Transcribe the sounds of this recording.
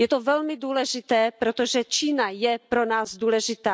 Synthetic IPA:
jɛt̪ovɛlmɪduːlɛʒɪt̪ɛːpɾot̪oʒɛt͡ʃiːnajɛpɾonaːzduːlɛʒɪt̪aː

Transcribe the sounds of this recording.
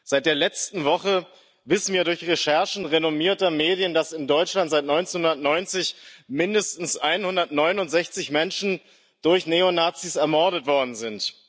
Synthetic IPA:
z̥aɪt̚d̥eːɐlɛt͡stn̩vɔχə | vɪsn̩viːɐɾʊɐçʁeʃɛɐʃn̩ʁenomiːɐtɐmeːdjəndasɪndɔʏt͡ʃlantz̥aɪtnɔʏnt͡senhʊndɐtnɔʏnt͡sɪçmɪndəstn̩sʔaɪnhʊndɐtnɔʏnʊntz̥ɛçt͡sɪçmɛnʃn̩ | d̥ʊɐçneːonaːt͡siːsɛɐmɔɐɾətv̥ɔɐdn̩zɪnt

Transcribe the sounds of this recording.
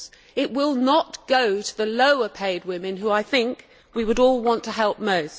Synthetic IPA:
ɪʔ̚wɪlˠnət̚ɡ̥oʊɾəðɨloʊə˞pʰeɪd̚wɪ̃mɨ̃nɦuaɪθɪ̃ŋk | wiwɨɾɔlˠwɑ̃ntʰɨɦɛlˠp̚moʊs

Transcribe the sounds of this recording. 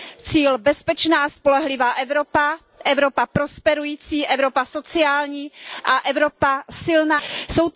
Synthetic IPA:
t͡siːlbɛspɛt͡ʃnaːaspo̞lɛɦlɪvaːʔɛvɾopa | ʔɛvɾo̞papɾo̞spɛɾujiːt͡siːʔɛvɾo̞paso̞t͡sɪaːlɲiːʔaʔɛvɾo̞pasɪlnaːso̞w

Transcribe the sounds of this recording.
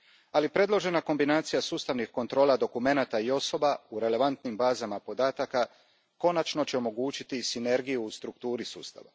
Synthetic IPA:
alipɾe̞d̪lˠo̞ʒe̞nako̞mbinaːt̪sijasuːst̪aʋnixko̞nt̪ɾo̞ːlˠad̪o̞kume̞nat̪aio̞so̞bauɾe̞le̞ʋant̪nimbaːzamapo̞d̪aːt̪aka | ko̞nat͡ʃno̞t͡ɕe̞o̞mo̞ɡuːt͡ɕit̪isine̞ɾɡijuːst̪ɾukt̪uːɾisṵːst̪a̰ʋa̰

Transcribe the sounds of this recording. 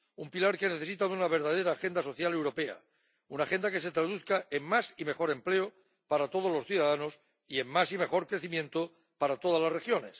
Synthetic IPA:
umpilaɾke̞ne̞θe̞sit̪aðunaβ̞e̞ɾðað̞e̞ɾaːxe̞nd̪aso̞θjale̞wɾo̞pe̞a̰ | unaχe̞nd̪ake̞se̞t̪ɾaðuθkaemmasime̞xo̞ɾe̞mple̞o | paɾat̪o̞ð̞o̞zlo̞sθjuðaðanos | ie̞mmasime̞xo̞ɾkɾe̞θimjẽ̞nt̪o | paɾat̪o̞ð̞azlasrexjo̞ne̞s

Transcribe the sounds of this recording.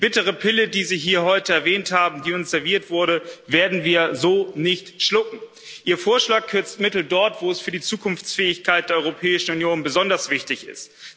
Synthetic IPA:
b̥ɪtəʁ̞əpʰɪlədiːziːɦiːɐɦɔʏtəɛɐvɛːnthaːbm̩diːʊnsz̥ɛɐviːɐtv̥ʊɐɾəveːɐdn̩viːɐzoːnɪçtʃlʊkŋ̩ | ʔiːɐfoːɐʃlaːkkʰʏɐt͡stmɪtl̩dɔɐtv̥oːɛsfyːɐdiːt͡suːkʰʊnft͡sfɛːɪçkʰaɪtd̥eːɐɔʏʁopʰɛːɪʃn̩unjoːnbəzɔndɐsv̥ɪçtɪçɪ̰st

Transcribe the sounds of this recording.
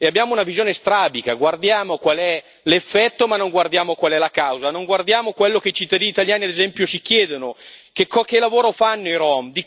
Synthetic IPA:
eabːjaːmounavizjoːnest̪ɾaːbikaɡward̪jaːmokwalɛ | lefːɛt̪ːomanːoŋɡward̪jaːmokwalɛlakawzanoŋɡward̪jaːmokwelːokeit͡ʃit̪ːad̪iːniːt̪aljaːniad̪ezɛmpjosikjɛːd̪onokekːɔkelːavoːɾofanːoiɾɔmd̪i

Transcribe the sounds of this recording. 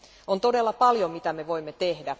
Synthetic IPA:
ont̪odelːɑpɑljomit̪æmeʋo̞imːet̪ehdæ

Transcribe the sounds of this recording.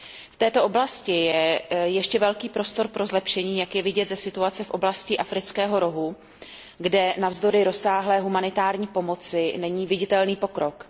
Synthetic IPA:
ft̪ɛːt̪o̞ʔo̞blascɪjɛjɛʃcɛvɛlkiːpɾo̞st̪o̞ɾpɾo̞zlɛpʃɛɲiːjakjɛvɪɟɛt̪zɛsɪt̪uat͡sɛfʔo̞blascɪʔafɾɪt͡skɛːɦo̞ɾo̞ɦu | ɡdɛnavzd̪o̞ɾɪɾo̞saːɦlɛːɦumanɪt̪aːɾɲiːpo̞mo̞t͡sɪnɛɲiːvɪɟɪt̪ɛlniːpo̞kɾo̞k

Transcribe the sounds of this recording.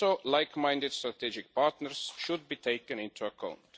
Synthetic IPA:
olaɪkmãɪ̃ndɪdst̪ɾat̪id͡ʒɪk̚paɾtnəɾsʃʊd̪̚bit̪ʰeɪkə̃nɪ̃nt̪ʰuəkʰãʊ̃nt

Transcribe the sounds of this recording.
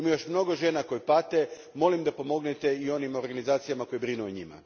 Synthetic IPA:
imojo̞ʃmno̞ɡo̞ʒe̞nako̞jipat̪e̞ | mo̞limd̪apo̞mo̞ɡnet̪e̞io̞nimo̞ɾɡanizaːt̪sijamako̞jebɾinuoɲḭma̰

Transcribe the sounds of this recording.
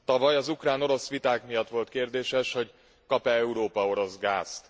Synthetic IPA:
t̪ɒvɒjɒzukraːno̞ɾo̞sʋit̪aːkmijɒt̪ʋo̞lt̪keːrd̪eːʃɛʃho̞ɟ | kɒpɛɛuɾoːpɒo̞ɾo̞zɡaːst̪

